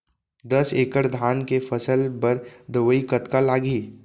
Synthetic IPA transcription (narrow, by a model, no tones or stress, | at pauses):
d̪əseːkəɾd̪ʱaːnkefʰəsəlpəɾd̪əʋəikət̪kalaːɡiː